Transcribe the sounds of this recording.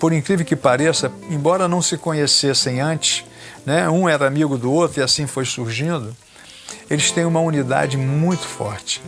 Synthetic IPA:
poɾĩkɾivewkɪpaɾesɐẽj̃bɔɾɐnɐ̃w̃sɪkõɲesesẽj̃ɐ̃nt͡ʃɪ̥ʃ | nɛũɛɾɐamiɡʊd̪ʊot̪ɾʊiasĩfojsuɾʒĩnd̪ʊ | elɪst̪ẽj̃ũmɐunid̪a̰d͡ʒɪmũj̃t̪ʊ̥fɔ̰ɾt͡ʃɪ̥

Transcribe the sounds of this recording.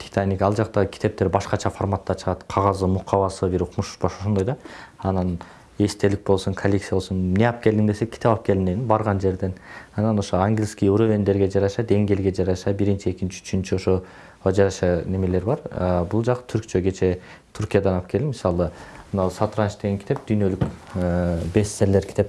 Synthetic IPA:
t̪ʰi̥t̪ʰanʲːikɑlˠd͡ʒɑqt̪ɑʁɯkʲʰi̥t̪e̞p̚t̪e̞ɾbɑʃqɑt͡ʃʰɑformat̪ːɑt͡ʃʰɯʁɑt̪qʰɑʁɑzɯmuqʰːɑβɑsɯbiɾuqmuʃu̥ʃbɑʃo̞ʃo̞nd̪ojd̪ɑɑnɑn | e̞st̪e̞lik̚bo̞lˠsuŋkʰɐlʲːeksijbo̞lˠsunneɑp̚ke̞ld̪imd̪e̞sekʰʲːi̥e̞pɑp̚ke̞lineninbɑɾʁɑnd͡ʒe̞ɾd̪e̞nɑnɑno̞ʃoaŋɡʲlʲskʲijuɾovʲend̪e̞ɾɡe̞d͡ʒɑɾɑʃɑd̪e̞ŋɡe̞lɡe̞d͡ʒɑɾɑʃɑbiɾint͡ʃie̞kint͡ʃi̥yt͡ʃʰynt͡ʃio̞ʃo | d͡ʒɑɾɑʃɑne̞me̞le̞ɾbɑɾbulˠd͡ʒɑqɯ̥t̪ʰyɾkt͡ʃʰøɡe̞t͡ʃʰe̞ | t̪ʰuɾkʲijad̪ɑnɑp̚kelimisɑlˠɯmnɑlˠsat̪ɾɑnt͡ʃd̪e̞ɡeŋkʰʲi̥t̪e̞p̚d̪̥yjnø̞lykː | best̪ːeɾle̞ɾkʰʲi̥t̪e̞p

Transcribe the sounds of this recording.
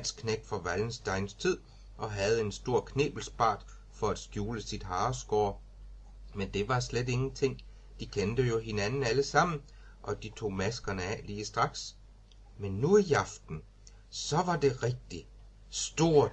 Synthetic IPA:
l̰skʰneɡ̥fɒ̽ʋæln̩sd̥ɑ̈ɪnst͡sʰið̞̰ˠ | ʔɒ̽ɦæð̞̩ˠe̝nsd̥o̝ɐ̰kʰne̝̰ːb̥l̩sb̥ɑ̰̈ːd̥ | fɒ̽æd̥sɡ̥juːləsid̥ɦɑ̈ːsɡ̥ɒː | mend̥e̝ʋɑ̈slede̝ŋn̩t͡sʰe̝ŋ̰ | d̥ikʰend̥əjo̝ɦe̝nænn̩æləsɑ̈m̰n̩ | ʔɒ̽d̥it͡sʰo̝̰ːmæsɡ̥ɐnəɛliːsd̥ʁɑ̈ɡ̥s | menːuijɑfd̥n̩ | sɒ̽ʋɑ̈d̥e̝ʁɛɡ̥̚d̥i | sd̥o̝ɐ̰̥

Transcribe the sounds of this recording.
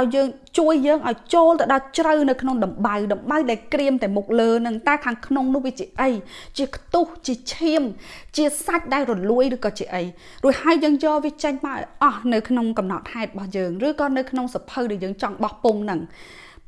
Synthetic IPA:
ʔaɔjːəːŋt͡ɕuəjːəːŋʔaɔjt͡ɕoːlt̪ɨəwɗɑlt͡ɕrəwnɨwkʰnoŋɗɑmɓəwɗɑmɓəwɗaɛlkriəmt̪aɛmuk̚ləːnɨŋt̪aɛkʰaːŋkʰnoŋnʊ̆əhʋiət͡ɕiəʔəjt͡ɕiəkʰt̪uht͡ɕiət͡ɕʰiəmt͡ɕiəsac̚ɗaɛlrɔluəjrɨːkɑːt͡ɕiəʔəj | ruəjhaəjːəːŋjɑːʋiət͡ɕəɲpaːʔʔɑhnɨwkʰnoŋkɑmnɑ̰t̪̚haɛt̪̚ɓɑhjəːŋrɨːkɑːnɨwkʰnoŋsapʰəwɗaɛljəːŋt͡ɕɑŋɓɑhpoŋnɨŋ

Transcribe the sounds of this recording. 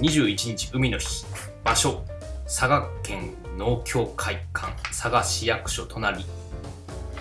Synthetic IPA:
ɲ̟iʑɨːit͡ɕiɲ̟it͡ɕi̥ɯ̟mʲino̞çi̥ | b̥aɕo̞saɡakẽ̞nno̞ːkʲʰo̞ːkʰaikʰã̰ñsaɡaɕijakɯ̟̥ɕo̞t̪ʰo̞naɾʲi

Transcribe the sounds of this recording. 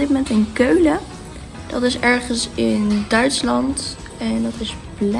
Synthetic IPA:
dɪt̚momɛntənkøɥlə | d̥ɑtɪsɛɹχənsɪndœɥtslɑnt | ɛndɑtɪz | bl

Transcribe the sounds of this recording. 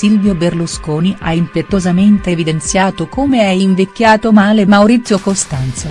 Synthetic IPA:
silvjoberluskoːniʔa̰impet̪ːozament̪evid̪ent̪sjaːt̪okomeɛiɱvekːjaːt̪omaːlemawɾit̪sːjokost̪ant̪so

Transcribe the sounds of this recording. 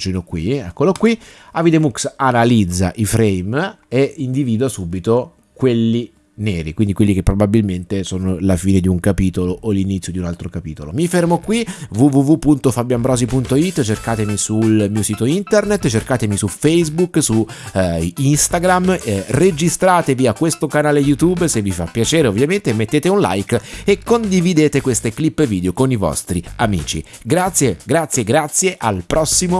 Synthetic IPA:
t͡ʃinokwḭɛkːolokwiavid̪emuksanalid̪zːa̰ʔifɾejm | eind̪iviːd̪asubit̪o | kwelːi | neːɾikwind̪ikwelːikepːɾobabilment̪esoːnolafiːned̪iuŋkapiːt̪oloʔolːinit̪sːjod̪iunalt̪ɾokapiːt̪olo̰mifermokwivuvuvupːunt̪ofabjambɾɔːzipunt̪oit̪ːt͡ʃerkaːt̪emisulmiːosiːt̪oint̪ernet̪ːt͡ʃerkaːt̪emisufejzbuksu | inst̪aɡɾamred͡ʒist̪ɾaːt̪eviakwest̪okanaːlejut̪ubsevːifa̰pːjat͡ʃeːɾeovːjament̪emet̪ːeːt̪eunla̰jkekːond̪ivid̪eːt̪ekwest̪eklipːeviːd̪eokonivɔ̰st̪ɾiamḭːt͡ʃḭ | ɡɾat̪sːjeɡɾat̪sːjeɡɾat̪sːjeʔalpɾɔsːimo

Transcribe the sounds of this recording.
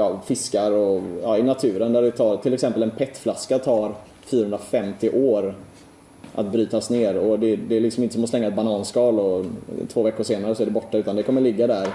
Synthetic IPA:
jɑːfɪskaɾɔjɑːɪnat̪ʰʉ̟ːɾənd̪æɖɛt̪ʰɑːɾt̪ʰɪlɛksɛmpəlɛnpʰɛt̪ːflaskat̪ʰɑːɾ | fyːɾahɵnd̪ɾafɛmt̪ɪʔoːɾ | ʔa̰t̪̚bɾyːt̪asneːɾɔd̪ɛd̪ɛlɪksɔmɪnt̪əsɔmɔslɛŋːaɛt̪̚banɑːnskɑːlɔt̪ʰvoːvɛkːʊʂeːnaɾəsɔæɖɛbɔʈːaʉ̟t̪and̪ɛkʰɔmːəɭɪɡːad̪æɾ

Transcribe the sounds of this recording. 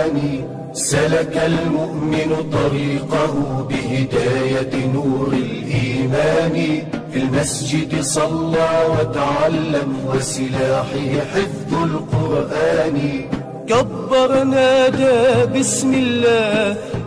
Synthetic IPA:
nɪ | salakalmʊʔmɪnʊt̪ˤɑɾiːqahʊbɪhɪd̪aːjanuːɾɪlʔiːmaːnɪfilmasd͡ʒɪd̪sˤɑlːɑːwat̪aʕalːamwasɪlaːħɪhɪħɪðːʊlqʊɾʔaːnɪ | kabːɑɾˤnaːʔd̪aːbɪsmɪlːaːh

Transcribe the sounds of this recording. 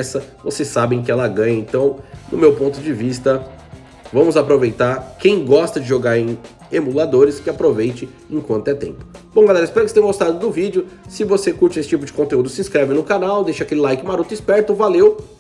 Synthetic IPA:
sɐvosesabẽj̃k̬ɪɛlɐɡɐ̃jɐẽnt̪ɐ̃w̃nʊ̰mewpõnt̪ʊd͡ʒɪvist̪ɐ | vɐ̃mʊzapɾovejt̪aɾkẽj̃ɡɔst̪ɐd͡ʒɪʒoɡaɾẽj̃ | emulad̪oɾɪskɪapɾovejt͡ʃɪ | ẽkwɐ̃nt̪ʊɛt̪ḛ̃mpʊ̥b̥õw̃ɡalɛɾɐispɛɾɐkɪset̪ẽj̃ɡost̪ad̪ʊd̪ʊvid͡ʒʊsɪvosekuɾt͡ʃɪesɪ̥t͡ʃipʊd͡ʒɪkõnt̪eud̪ʊsɪĩskɾɛvɪ̃nʊkanawd̪ejʃɐakelɪlajkɪmaɾut̪ʊispɛɾt̪ʊvalew

